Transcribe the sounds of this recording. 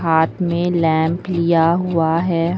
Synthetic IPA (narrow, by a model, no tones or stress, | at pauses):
ɦaːt̪ʰmẽlɛ̃ːmplijaɦʊaɦɛːɦ